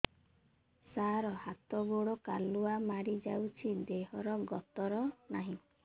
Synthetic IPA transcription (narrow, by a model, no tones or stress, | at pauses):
saɾɔhat̪ɔɡoɽɔkaluamaɽid͡ʒawt͡ʃʰid̪eɦɔɾɔɡɔt̪ɔɾɔnaɦĩ